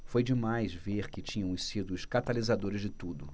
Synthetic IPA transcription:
fojd͡ʒɪmajzveɾkɪt͡ʃĩɲɐ̃w̃sid̪ʊːʃkat̪alizad̪oɾɪzd͡ʒɪt̪ud̪ʊ

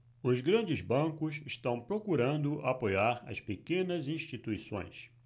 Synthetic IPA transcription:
ʊzɡɾɐ̃d͡ʒɪzbɐ̃kʊsɪʃt̪ɐ̃w̃pɾokuɾɐ̃nd̪ʊʔapojaɾɐ̰spekẽnɐzĩʃt͡ʃit̪uisõ̰j̃s

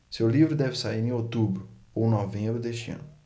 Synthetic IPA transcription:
sewlivɾʊd̪ɛvɪsaiɾẽot̪ubɾʊ | ow̃novẽmbɾʊd̪eʃt͡ʃɪɐ̰̃nʊ

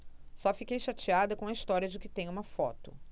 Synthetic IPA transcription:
sɔfikejʃat͡ʃiad̪ɐkõɐist̪ɔɾiɐd͡ʒɪkɪt̪ẽj̃ũmɐfɔt̪ʊ̥̰

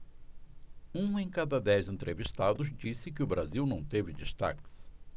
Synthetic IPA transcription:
ũẽj̃kad̪ɐd̪ɛzẽnt̪ɾʔevist̪ad̪ʊzd͡ʒisɪk̬ɪʊbɾaziwnɐ̃w̃t̪evɪd͡ʒist̪a̰kɪ̥s

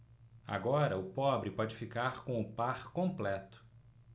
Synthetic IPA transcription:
a̰ɡɔɾɐʊpɔbɾɪpɔd͡ʒɪfikaɾkõw̃ʊpaɾkõmplɛt̪ʊ̥

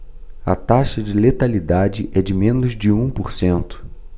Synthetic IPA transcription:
ɐ̰t̪aʃɐd͡ʒɪlet̪alid̪ad͡ʒɪʔɛd͡ʒɪmẽnʊzd͡ʒɪũpoɾsẽnt̪ʊ̥

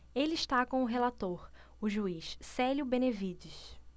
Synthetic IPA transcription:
eliʃt̪akõw̃ʊɦelat̪oɾ | ʊʒuiʃsɛljʊbẽnevid͡ʒɪʃ

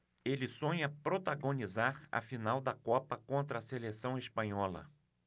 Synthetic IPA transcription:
elɪsõɲɐpɾot̪aɡõnizaɾɐ̰finawd̪ɐkɔpɐkõnt̪ɾɐːselesɐ̃w̃espɐ̃ɲɔlɐ̰

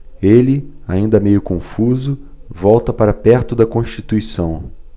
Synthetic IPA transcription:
elɪaĩnd̪ɐmejʊkõfuzʊvɔwt̪ɐpaɾɐpɛɾt̪ʊd̪ɐkõʃt͡ʃit̪uisɐ̃w̃

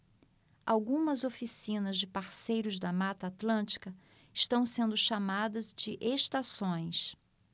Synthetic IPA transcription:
awɡũmɐzofisĩnɐzd͡ʒɪpaɾsejɾʊzd̪ɐmat̪ɐat̪lɐ̃nt͡ʃi̥kɐ | ɪʃt̪ɐ̃w̃sẽnd̪ʊʃamad̪ɐzd͡ʒɪʔeʃt̪asõj̃s

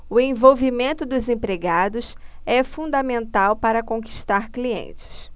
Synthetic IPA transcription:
ʊẽj̃vowvimẽnt̪ʊd̪ʊzẽpɾeɡad̪ʊs | ɛfũnd̪ɐmẽnt̪awpaɾɐkõki̥ʃt̪aɾkliḛ̃nt͡ʃɪ̥s

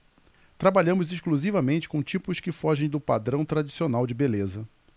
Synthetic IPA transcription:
t̪ɾabaʎɐ̃mʊziʃkluzivɐmẽnt͡ʃɪ̥kõt͡ʃipʊskɪfɔʒẽj̃d̪ʊpad̪ɾɐ̃w̃t̪ɾad͡ʒisionawd͡ʒɪbelezɐ

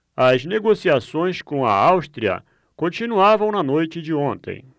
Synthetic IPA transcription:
ɐzneɡosiasõj̃skõɐ̰awst̪ɾiɐ̰ | kõt͡ʃinuavɐ̃w̃nɐnojt͡ʃɪd͡ʒɪõnt̪ḛ̃j̃

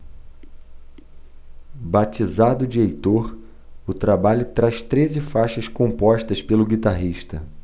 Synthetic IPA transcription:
bat͡ʃizad̪ʊd͡ʒiejt̪oɾ | ʊt̪ɾabaʎʊt̪ɾaʃt̪ɾezɪfaʃɐskõmpɔʃt̪ɐspelʊɡit̪aɦiʃt̪ɐ

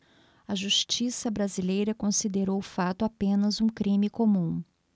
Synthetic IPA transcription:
ɐʒuʃt͡ʃisɐbɾazilejɾɐkõsid̪eɾowfat̪ʊapẽnɐzũkɾĩmikõmũ

